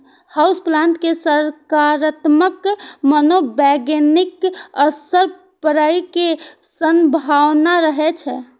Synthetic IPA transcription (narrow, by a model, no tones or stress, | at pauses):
hawsplãnt̪kesəɾkaɾət̪məkmənobɛɡenikəsəɾ | pəɾəjke | sənbʱawnaɾəɦɛt͡ʃʰɛ̰